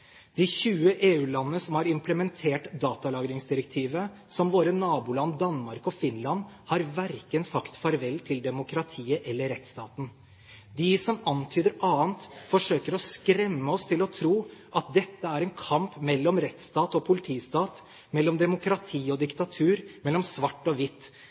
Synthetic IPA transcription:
d̪̥ɪçʉːəʔeːʉːlɑnːəsɔmhɑɾɪmpləmɛnt̪ʰeːʈd̪ɑːt̪ɑlɑːɡɾɪŋsd̪ɪɾɛk̚t̪ʰiːʋəsɔmʋoːɾənɑːbuːlɑnd̪ɑnmɑɾkɔfɪnlɑn | hɑɾʋæɾkənsɑkt̪fɑɾʋɛlːt̪ʰɪld̪ɛmʊkɾɑt̪ʰiːəʔɛlːəɾɛt̪st̪ɑːt̪n̩ | d̪ɪsɔmɑnt̪ʰyːd̪əɾɑːənt̪fɔʂøːkəɾɔskɾɛmːəɔst̪ʰɪlɔt̪ʰɾuːʔɑt̪̚d̪ɛt̪ːəæɾɛnkʰɑmpmɛlːɔmɾɛt̪st̪ɑːt̪ɔpʰʊlɪt̪ʰiːst̪ɑːt̪ | mɛlːɔmd̪ɛmʊkɾɑt̪ʰiːɔd̪ɪkt̪ɑt̪ʰʉːɾmɛlːɔmsʋɑʈːɔʋɪt̪ː

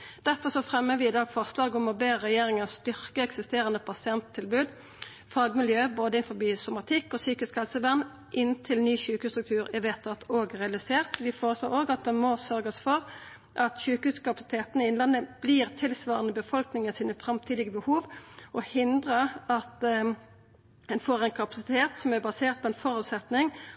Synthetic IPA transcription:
d̪̥æɾfɔʁsɔfʁɛmːəʋɪɪd̪ɑːɡfɔʁslɑːɡɔmɔbeːəʁɛjeːɾɪŋɑst̪ʏʁkəɛksɪst̪eːɾənəpʰɑsɪɛnt̪ʰːɪlbʉːd̪ | fɑːɡmɪljøːboːd̪əɪnfɔbiːsʊmɑt̪ʰɪkːɔsyːkɪskhɛlsəʋæʁn | ʔɪnt̪ʰɪlnyːçʉːkʉst̪ɾʉk̚t̪ʰʉːʁɪʋeːt̪ʰːɑt̪ʰoːɡʁɛɑlɪseːʁt̪ʋɪfoːʁəsloːʁoːɡɑt̪̚d̪ɛmɔsœɾɡəsfɔʁ | ʔɑt̪çʉːkəʉːskɑpɑsɪ̥t̪ʰeːt̪ənəɪɪnlɑnːəb̥liːʁt̪ʰɪlsʋɑːʁənəbəfɔlknɪŋənsiːnəfɾɑmt̪ʰiːd̪ɪɡəbəhuːʋʔɔhɪnd̪ʁəɑt̪ | ɛnfoːʁɛŋkʰɑpɑsɪt̪ʰeːt̪sɔmæʁbɑseːʁt̪̚pʰɔɛnfɔɾʉːt̪sɛt̪nɪŋ

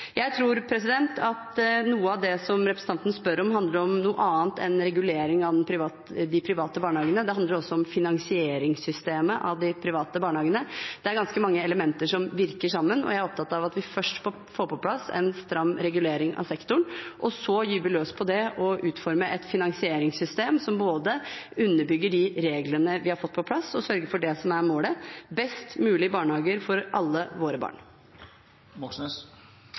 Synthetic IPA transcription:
jæɪt̪ʰɾuːɾpʰɾɛs̬ɪd̪ɛnt̪ʰɑt̪nuːəɑʋd̪ɛsɔmɾɛpɾəsn̩ɑnt̪ənəspœɾɔmɦɑnd̪ləɾɔmnuːə̰ʔɑːnt̪ɛ̰nɾɛɡʉleːɾɪŋɑʋ̪ɛnpʰɾɪʋɑ | d̪ɪpʰɾɪʋɑːt̪əbɑːɳəhɑːɡənəd̪ɛhɑnd̪ləɾɔsːɔɔmfɪnɑŋsɪeːɾɪŋsʏst̪eːməʔɑ̰ʋd̪ɪpʰɾɪʋɑːt̪əbɑːɳəhɑːɡənəd̪ɛæɾɡɑnskəmɑŋːəɛləmɛnt̪əʂɔmʋɪɾkəʂɑmːənɔ̰jæɪæɾɔp̚t̪ʰɑt̪ːɑʋɑt̪ʋɪfœʂʈpʰɔ | foːɾpʰɔpʰlɑsɛ̰nst̪ɾɑmːɾɛɡʉleːɾɪŋɑ̰ʋsɛkt̪ʊɳʔɔsɔjyːɾʋɪløːspʰɔd̪ɛʔɔʔʉːt̪fɔɾməʔɛt̪fɪnɑŋsɪeːɾɪŋsʏst̪eːmsɔmboːd̪əʉnːəbʏɡːəɖɪɾeːɡlənəʋɪhɑɾfɔt̪ːpʰɔpʰlɑsːɔsœɾɡəɾfɔɖɛsɔmæɾmoːləbɛst̪mʉːlɪbɑːɳhɑːɡəɾfɔɾʔɑlːəʋoːɾəbɑ̰ːɳ

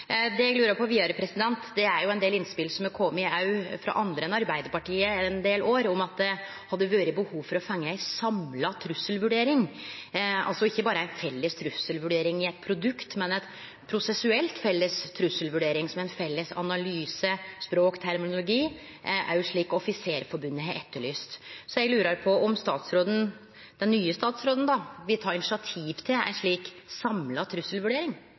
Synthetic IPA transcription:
d̪ɛɡlʉːɾəpʰɔʋiːɑɾəpʰɾɛsɪd̪ɛnt̪d̪ɛæɾjʊɛnd̪eːlɪnspɪlsɔməkʰɔmmːɪɑʉfɾɑ̰ʔɑnd̪ɾəɛnɑɾbæɪd̪əɾpɑʈiːənd̪eːlʔoːɾɔmɑt̪̚d̪ɛ | hɑd̪ːəʋøːɾɪbəhuːʋfɔɾɔfɑŋːəæɪsɑmlɑt̪ʰɾʉsːəlʋʉɖeːɾɪŋ | ɑ̰lsɔɪçːəbɑːɾəæɪnfɛlːəst̪ʰɾʉsəlʋʉɖeːɾɪŋɪɛt̪̚pʰɾʊd̪ʉkt̪mɛnɛt̪ | pʰɾʊsɛsʉɛlt̪fɛlːəst̪ʰɾʉsəlʋʉɖeːɾɪŋsɔmæɪnfɛlːəsɑ̰nɑlyːsəspɾoːkt̪ʰæɾmɪnʊlʊɡiː | ʔæ̰ɾjʊʂɭiːkɔɔfɪseːɾəfɔɾbʉnːəɦɛt̪ʰːəɭyːst̪sɔjæɛɡlʉːɾəɾpʰɔɔmst̪ɑːt̪sɾoːd̪ən̩ | d̪̥ɛnːyːəst̪ɑːt̪sɾoːd̪n̩d̪ɑʋɪlt̪ʰɑːɾɪnɪʂɪɑt̪ʰiːʋt̪ʰɪlæ̰ʂɭiːksɑmlɑt̪ʰɾʉsːəlʋʉɖeːɾɪŋ

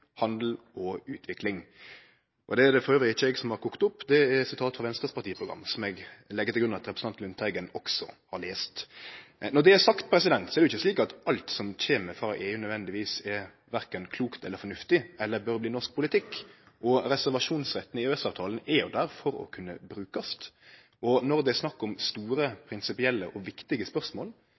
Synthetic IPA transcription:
hɑnd̪l̩ | ɔʉːt̪ʰʋɪklɪŋ | ʔɔd̪ɛːd̪ɛfɔɾøːʋɪɪçəɛɡsɔmhɑɾkʰʊkːt̪ʊpːd̪ɛæɾsɪt̪ʰɑːt̪fʁɑʋɛnst̪ɾəspɑɾt̪iːəpʰɾʊɡɾɑ̰mːsɔmɛɡlɛɡːət̪ɪlɡɾʉnɑt̪ɾɛpɾəsn̩ɑnt̪lʉnt̪ʰæɡənɔksɔ̰hɑɾɭeːst̪ | nɔd̪ɛæsɑkt̪pʰɾɛsɪd̪ɛnt̪sɔɛɾd̪ʉɪçːəsliːkɑt̪ɑlt̪sɔmc͡çeːməɾfɾɑːʔeːʉnœd̪ʋɛnd̪ɪʋiːsɛɾ | ʋæɾkənkʰluːkt̪ɛlːəɾfɔnʉft̪ɪɛlːəɾbœɾbliːnɔʂk̚pʰʊlɪt̪ʰɪkː | ʔɔɾɛsæɾʋɑʂuːnsɾɛt̪ːnɪøːsɑːʋt̪ʰɑːlənɛɾjʊ̰d̪æɾfɔɾɔ̰kʰʉnːəbɾʉːkɑst̪ | ɔnɔɾd̪ɛɛsnɑkːɔmst̪uːɾəpʰɾɪnsɪpɪɛlːəʔɔʋɪkt̪ɪɡəspœɾsmoːl

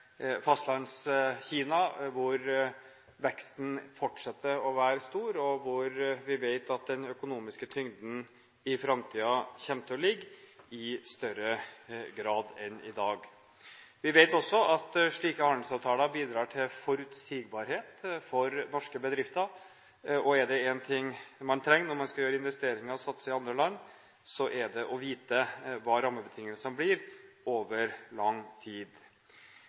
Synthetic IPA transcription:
fɑst̪lɑnsçiːnɑʋʊɾ | ʋɛkst̪n̩fɔʈʂɛt̪ːəɾɔʋæːɾəst̪uːɾɔʋʊɾʋɪʋeɪt̪ɑt̪̚d̪ɛnœkʊnuːmɪskət̪ʰʏŋd̪n̩ | ɪfɾɑmt̪ʰiːɑçɛmt̪ʰəlɪɡːɪst̪œɾəɡɾɑːd̪ɛnɪ̰d̪ɑːɡ | ʋɪʋeɪt̪ɔsːɔʔɑt̪ʂɭiːkəhɑnd̪lsɑːʋt̪ʰɑːləɾbiːd̪ɾɑːʈʰɪlfɔɾʉt̪siːɡ̚bɑːɾheːt̪fɔɾnɔʂkəbəd̪ɾɪft̪əɾ | ʔɔɛɖɛɛnt̪ʰɪŋːmɑnt̪ʰɾɛŋːnɔɾmɑnskɑljøːɾəɪnʋɛst̪eːɾɪŋəɾɔsɑt̪ːsəɪɑnd̪ɾəlɑnː | sɔʔɛɖɛʔɔʋiːt̪əʋɑːɾɑmːəbət̪ʰɪŋːəlsənblɪɾoːʋəɾlɑŋːt̪ʰiːd̪

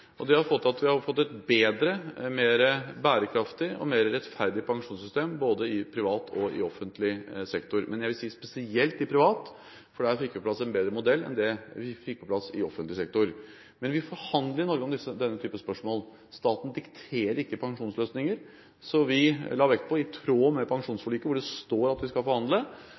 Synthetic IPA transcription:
ʔɔd̪ɛhɑɾfɔt̪ːɑt̪ʋɪhɑɾfɔt̪ːɛt̪beːd̪ɾəmeːɾəbæːɾəkʰɾɑft̪ɪɔ̰meːɾəɾɛt̪fæɾd̪ɪpʰɑŋʂuːnsʏst̪eːmboːd̪əɪpʰɾɪʋɑːt̪ʰɔɪ̰ɔfːənt̪lɪsɛkt̪ʊɾmɛnjæɪʋɪlsiːspɛsɪɛlt̪ɪpʰɾɪʋɑːt̪ | fɔɖɛæːɾfɪkːʋɪpɔplɑsːɛnbeːd̪ɾəmʊd̪ɛlːɛ̰nd̪ɛʋɪfɪk̚ːpʰɔpʰlɑsɪɔfənt̪lɪsɛk̚t̪ʊɾ | mɛnʋɪfɔɾhɑnd̪ləɾɪnɔɾɡəɔmd̪ɪsːəd̪ɛnːət̪ʰyːpəspœʂmoːl | st̪ɑːt̪n̩d̪ɪkt̪ʰeːɾəɾɪkːəpʰɑŋʂuːnsløːsnɪŋəɾ | sɔʋɪlɑːʋɛkt̪̚pʰɔɪt̪ʰɾoːmɛpʰɑŋʂuːnsfɔɭyːkəʋʊɖɛst̪oːɾɑt̪ʋɪskɑlfɔɾhɑnd̪lə

